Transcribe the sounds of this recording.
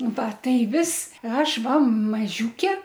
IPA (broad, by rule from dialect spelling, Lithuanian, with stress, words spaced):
ˈʋɐ ˈtɐɪ ˈʋʲɪs ˈɐʃ ˈʋɐ mɐˈʒʲuːkʲɛ